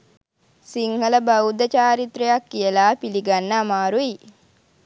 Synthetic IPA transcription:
siŋhələbəwd̪ət͡ʃaːɾit̪rəjakːijəlaːpiliɡanːəːmaːɾui

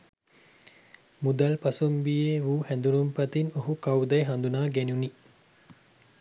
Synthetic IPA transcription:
mud̪ɐlpɐsumbijeʋuːhɛnd̪unumpɐt̪inoɦukawd̪ɐjɦand̪unaːɡɛnuni

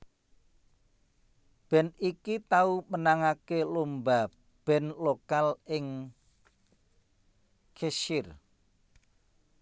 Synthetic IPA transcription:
b̥ɛ̤nikit̪aumənaŋakelomba | b̥ɛ̤nlokalɪŋ | kʰeʃɪr

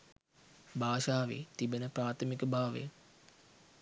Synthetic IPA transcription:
baːʃaːʋḛːt̪ibenəpraːt̪ʰəmikəbaːʋḛ

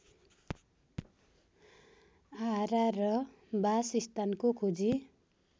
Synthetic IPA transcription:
aɾarʌ | basist̪ankokʰud͡zi

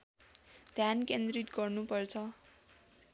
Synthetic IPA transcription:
d̪̥ʱjankend̪rit̪ɡʌrnupʌrt͡sʰʌ

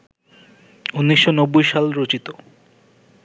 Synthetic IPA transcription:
unːiʃːonɔbːojʃalɾot͡ɕit̪o

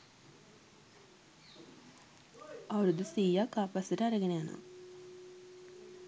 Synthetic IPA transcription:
awɾud̪usiːjakːaːpasiɾɐɾəɡeneana̰

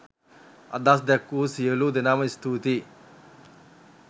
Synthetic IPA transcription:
ɐ̰d̪aːs̬d̪ekːusijɐlud̪inaːmɐist̪ʰuːt̪i

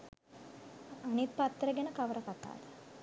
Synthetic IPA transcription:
ɐnit̪̚pɐt̪ːɾəɡenəkɐʋəɾəkat̪a̰ːd̪ə

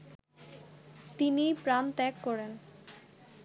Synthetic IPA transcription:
t̪inipɾant̪ɛkːɔɾen

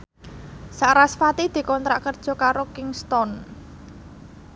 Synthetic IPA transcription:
saʔɾasfat̪id̪̥i̤kɔnt̪ɾaʔkərd̥ʒ̥ɔ̤kaɾokɪŋst̪ɔn

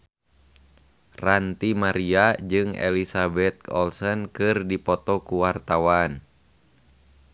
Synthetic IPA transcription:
rant̪imaɾiad͡ʒɨŋḛlisabɛt̪̚ɔ̰lsɔnkɨrdipɔt̪ɔkuwart̪awan

